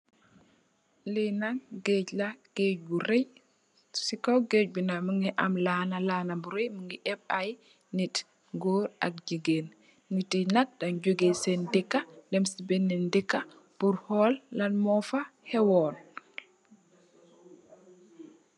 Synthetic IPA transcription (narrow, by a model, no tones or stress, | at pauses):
linaɡeɟlaɡ̥eɟbuɾej | sikɔwɡeɟ̚bunaməŋɡiʔamlanalanabuɾejməŋɡiʔɛbaj | nit | ɡoːɾa̰k̚d͡ʒiɡen | nitinak̚dand͡ʒuɡesɛndikːadɛmsibɛnːɛndikːa | buɾhɔlːanmɔfahɛwɔn